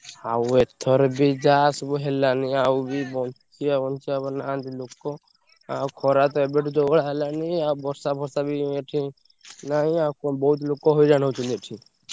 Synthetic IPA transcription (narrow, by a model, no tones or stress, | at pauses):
auet̪ʰɔɾbid͡ʒasbɔɦelaniaubibɔnt͡ʃiabɔnt͡ʃiabɔnand̪ilokɔ | akʰɔɾat̪ɔebeʈʰit̪ɔɔɽaɦelaniawbʱɔɾsabʱɔɾsabieʈʰĩ | naɦĩakɔbɔut̪lokɔɦoid͡ʒaɽ̃ot͡ʃʰuneʈʰĩ